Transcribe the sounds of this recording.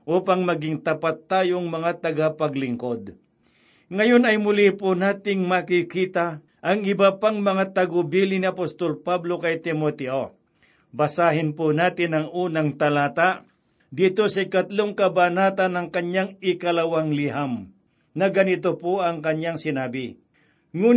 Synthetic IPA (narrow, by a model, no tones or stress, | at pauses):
ʔuːpaŋmɐɡɪŋt̪ɐpat̪ːaːjoŋmɐŋat̪ɐɡapɐɡlɪŋkod̪̚ | ŋɐjonɐjmʊlipʊnaːt̪ɪŋmakikiːt̪a | ʔɐŋɪbapaŋmɐŋat̪ɐɡʊbiːlɪnɪɐpost̪olpablo̞kɐjt̪ɪmot̪ɛʔo | bɐsaːɦɪnpʊnaːt̪ɪnɐŋuːnɐŋt̪ɐlaːt̪a | d̪iːt̪osɐɪkɐt̪loŋkɐbanaːt̪anːɐŋkɐɲjaŋɪkɐlɐwaŋlɪɦam | nɐɡɐnɪt̪opoʔɐŋkɐɲaŋsɪnaːbɪ | ŋuː